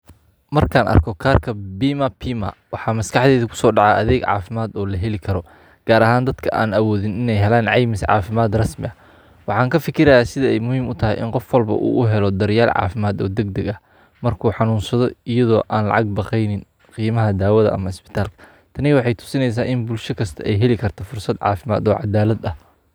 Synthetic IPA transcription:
mɐrkʰaːnʔɐ̰rkʰɔkʰaːrkʰɐbiːmɐpʰiːma̰wɑħɑːmɐskɑħðɛːðɐkʰʊ̥sɔːɖɑʕɑʔɐðɛːɡʕɑ̰ːfɪmaːd̪ɔːlɐɦɛlɪkʰɐɾɔ | ɡ̥aːɾɐɦaːnd̪ɐd̪kʰɐʔaːnɐwɔːðɪnɪnɛjɦɛlaːnʕɑjmɪsʕɑ̰ːfɪmaːd̪rɐsmɪ̰ɐ | wɑħɑːŋkʰɐfɪkʰɪɾɐjaːsɪðɐɛjmʊhiːmʊt̪ʰɐɦɛjʔɪ̰nqɔfwɐlbɐ̰ʔṵːʔʊɦɛlɔd̪ɐɾɪjaːlʕɑ̰ːfɪmaːd̪ɔ̰ːd̪ɛɡ̚d̪ɐɡɐh | mɐrkʰuːħɑnuːnsɐðɔɪjɐðɔːʔaːnlɑ̰ʕɑɡ̚bɑqɛjnɪn | qiːmɐɦɐd̪aːwɐðɐ̰ʔɐ̰mɐɪsbɪ̥t̪ʰaːlkʰɐ̥ | t̪ʰɐnɪwɑħɑjt̪ʰʊ̥sɪnɛjs̬aːʔɪnbʊlʃɐkʰɐst̪ʰɐʔɛjɦɛlɪkʰɐrt̪ʰɔfʊrsɐd̪ʕɑ̰ːfɪma̰ːd̪ɔːʕɑ̰d̪aːlɐd̪ɐh

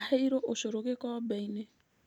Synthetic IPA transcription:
heiɾoʔoʃoɾoɣekɔbɛine

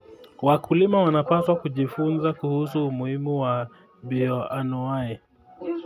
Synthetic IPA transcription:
wakulimawanapaswakuʄifunzakuhusuːmuhimuwa | biɔanuai

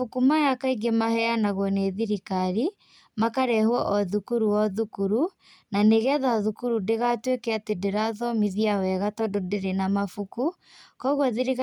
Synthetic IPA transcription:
fukumajakaiɡemahɛanaɣwɔneðiɾikaɾi | makaɾɛhwɔʔɔðukuɾuwɔðukuɾu | naneɣɛðaðukuɾudeɣatwekɛatedeɾaðɔmiðiawɛɣatɔdodeɾenamafuku | kɔɣwɔðiɾiɣ

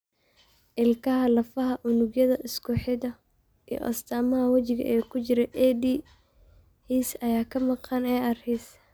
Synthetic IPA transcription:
ʔɪlkʰɐɦɐlɐfɐɦɐʔʊnʊɡjɐðɐʔɪskʰʊħɪðɐ | ḭjɔ̰ʔɐ̰st̪ʰaːmɐɦɐwɐt͡ʃɪɣɐ̰ʔɛːkʰʊt͡ʃɪɾɛʔɛd̪iː | hiːsɐjaːkʰɐmɑqɑnɛːʔɐrhis

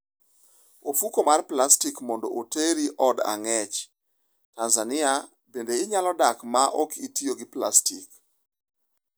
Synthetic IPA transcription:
ofukomarplastikmɔndɔ̰ʔoteɾiʔɔda̰ŋɛt͡ʃ | tanzanɪa | bendeɪɲalɔdakmaʔɔkitioɡɪpla̰stik

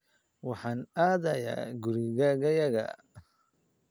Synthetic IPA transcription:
wɑħɑːnaːðɐja̰ːɡʊɾiɣaɣɐjɐɣɐ̰

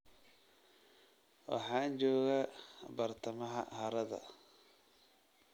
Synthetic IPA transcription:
wɑ̰ħɑːnt͡ʃɔːɣabɐrt̪ʰɐmɐɦɐ̰hɐɾɐðɐ̰

